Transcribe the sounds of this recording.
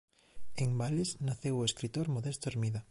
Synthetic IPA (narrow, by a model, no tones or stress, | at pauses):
eŋbalesnaθewʊeskɾit̪oɾmoðest̪oeɾmiða